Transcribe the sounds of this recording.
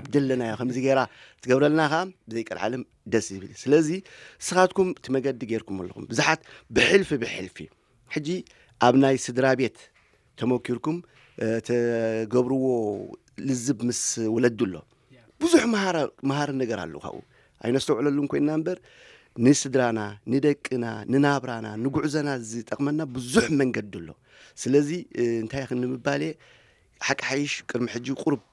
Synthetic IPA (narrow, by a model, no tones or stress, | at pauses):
aβd̪ɐlːɐnajakʰɐmziɡeɾat̪ʰɨɡɐβɾɐlnaxabɨzɐjkʼɐlʕa̰lɨm | d̪ɐsɨβɨlsɨlɐzisɨxat̪kʰumɨt̪ʰimɐɡɐd̪ːiɡeɾkʰumɐlːɐ̰kṵmbɨzuħat̪bɨħɨlfibɨħɨ̰lfḭ | ħɨd͡ʒːi | ʔaβnajsɨd̪ɾabe̞t̪ʰː | ɐmokʰːiɾkum | t̪ʰɐɡɐβɾuwo̞ | lɨzːɨbmɨswɔlɐd̪ɨlːo̞̰ | b̥ɨzuħmaaɾmaɦaɾɨnɐɡɐɾa̰lːo̰kʰa̰βʔṵ | ʔa̰jnɐtst̪ɐwʕlɐlːumkʰo̞jnːambɐɾ | nɨsɨd̪ɾananɨd̪ɐkʼːɨna̰nɨnaβɾana̰nɨɡuʕzɐnazɨt̪ʼɐkʼmɐnːabɨzuħmɐŋɡɐd̪ɨlːo̞̰ | sɨlɐziɨnt̪ʰajkɨnnɨmɨbale̞ | ħakʼːħajɪʃkʼɨɾmiħɨd͡ʒːikʼuɾb